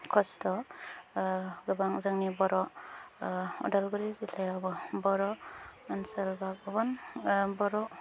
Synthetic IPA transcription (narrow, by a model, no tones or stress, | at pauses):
kʰɔstɔ | ɡɯbaŋzaŋnibɔɾɔ | ɔ̰dalɡɯɾizilajabɔbɔɾɔansalbak̚ɯbɔnbɔɾɔ